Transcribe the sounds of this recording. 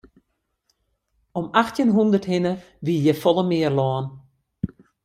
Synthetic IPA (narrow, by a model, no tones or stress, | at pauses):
ɔmaxtjənɦundərthɪnə | ʋiəjɛfɔlˠəmɪərlɔːn